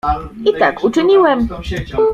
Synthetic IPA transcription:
ʔit̪akʔut͡ʂɪɲiwɛm

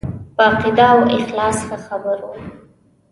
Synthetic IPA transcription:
bɑqid̪ɑwɪxlɑsxəxabəɾo

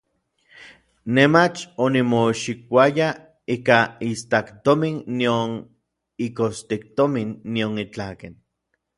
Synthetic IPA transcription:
nemat͡ʃonimoʃik̚ʷaja | ikaist̪akt̪ominːion | ikost̪ik̚t̪ominːionit͡ɬaken

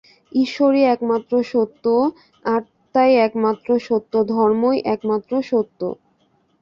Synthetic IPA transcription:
iʃoɾiɛkmat̪ːɾoʃot̪ːo | aɾ | t̪ajɛkmat̪ːɾoʃot̪ːod̪ʱɔɾmojʔɛkmat̪ːɾoʃot̪ːo̰

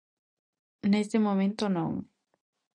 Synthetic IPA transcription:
nest̪emomẽnt̪onome

